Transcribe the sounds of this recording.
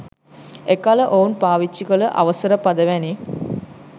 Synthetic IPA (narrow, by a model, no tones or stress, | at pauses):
ekaləʔounpaːʋit͡ʃːikələʔa̰ʋəsəɾəpad̪əʋæni